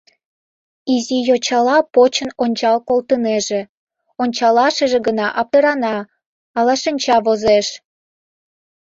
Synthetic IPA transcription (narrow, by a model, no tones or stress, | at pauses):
izijot͡ɕɑlɑpot͡ɕənonʲt͡ɕɑlkolt̪əneʒe | onʲt͡ɕɑlɑʃəʒĕɡənɑʔɑp̚t̪əɾɑnɑː | lɑʃənʲt͡ɕɑβozeʃ